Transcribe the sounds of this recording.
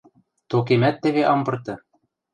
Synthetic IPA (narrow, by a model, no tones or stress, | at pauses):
t̪ok̬emæt̪ːɘ̆βeʔɑmbɤ̆rt̪ɤ̆